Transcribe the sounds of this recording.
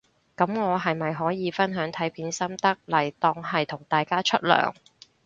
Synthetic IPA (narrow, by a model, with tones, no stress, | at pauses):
kɐ˨˦˥mŋɔː˨˧ɦɐ˨jmɐ˨jɦɔː˨˥jiː˨˧fɐ˥nɦœː˨˥ŋt̪ʰɐ˨˥jpʰiː˨˥nsɐ˥mt̪ɐ˥k̚lɐ˨˩jt̪ɔː˧ŋhɐ˨jt̪ʰʊ˨˩ŋt̪aː˨jkaː˥t͡ʃʰɵ˥t̚lœ̰ː˨˩ŋ